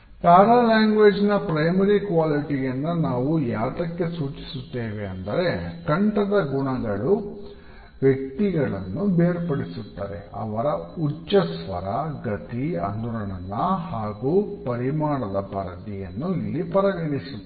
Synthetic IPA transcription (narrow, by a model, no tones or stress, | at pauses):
k̪aːɾaːlaːŋɡʋeːd͡ʒnɐpɾɐjmɐɾikʋaːliʈiɡɐnːɐnaːʋujaːt̪ɐkːe̞suːt͡ʃi̥sut̪ːeːʋeɐnd̪ɐɾe̞kɐɳʈɐd̪ɐɡuɳɐɡɐɭu | ʋjek̚t̪iɡɐɭɐ̰nːubeːɾpɐɽisut̪ːa̰ːɾḛɐ̰ʋɐɾɐut͡ʃːɐsʋɐ̰ɾɐɡɐt̪iɐ̰nd̪uɾɐɳɐlːɐhaːɡuːpɐɾimaːɳɐd̪ɐpɐɾɐt̪ijɐnːuilːipɐɾɐɡɐɳisu